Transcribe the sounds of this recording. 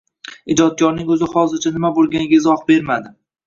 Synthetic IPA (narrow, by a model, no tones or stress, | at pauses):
ɪd͡ʒɒt̪̚kʰɒɾnɪŋɵzɪhɒzɪɾt͡ʃʰanɪmabolˠɡʲanʲaɪzɒhbe̞ɾmad̪ɪ